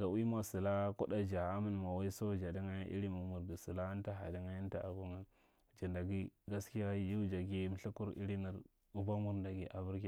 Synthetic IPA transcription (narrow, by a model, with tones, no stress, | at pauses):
ɡa˨wi˦ma˨si˨la˦ko˦da˨d͡ʒa˨a˦mi˦n˨ma˨wa˦i˦so˦d͡ʒa˨di˦ŋa˦ja˦ʔḭ˦ɾi˦mu˨mu˨ɾdi˨si˨la˦a˦n˦ta˦ɦa̰˨di˦ŋa˦ji˦n˦ta̰˨ʔa̰˨bo˦ŋa˦˨ | d͡ʒi˨nda˨ɡi˦ɡa˦ski˦ja˦ji˦d͡ʒa˨ɡi˦m˦ɬi˦ku˦ɾḭ˦ɾi˦mi˨ɾ | u˦ba˦mu˦ɾnda˨ɡi˨ʔa˨bu˦ɾki˦˨